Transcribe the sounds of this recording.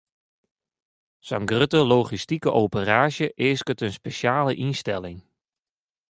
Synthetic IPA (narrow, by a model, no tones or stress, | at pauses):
saŋɡrøtəloːχistikəʔowpəraːʒjəʔɪːskətənspeʃjaːləʔinstɛlɪŋ